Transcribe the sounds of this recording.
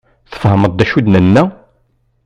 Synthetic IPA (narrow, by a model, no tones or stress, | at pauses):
θə̥fhəməd̪̚ˤd̪ːæʃud̪nənːæ